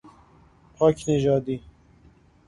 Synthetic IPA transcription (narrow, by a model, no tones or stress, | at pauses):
pʰɒːcʰneʒɒːd̪iː